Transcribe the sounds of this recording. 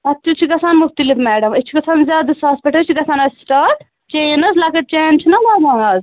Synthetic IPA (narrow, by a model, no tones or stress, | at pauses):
ɐt̪ːut͡ʃʰiɡɐsʰaːnmuxt̪ɐlifmɛːɖɐmɐt͡ʃʰiɡɐsʰaːnzʲjaːd̪ɐsaːspiʈɐt͡ʃʰiɡɐsʰaːnɐzsʈaːʈ | t͡ʃeːnɐzlaːkɐʈ̚t͡ʃeːnt͡ʃʰinɐbaːd̪aːnɐz